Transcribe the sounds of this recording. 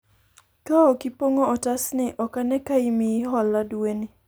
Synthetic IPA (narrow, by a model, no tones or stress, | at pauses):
kaɔkipoŋoɔtasnɪʔɔkanɛkaimiɦɔladweni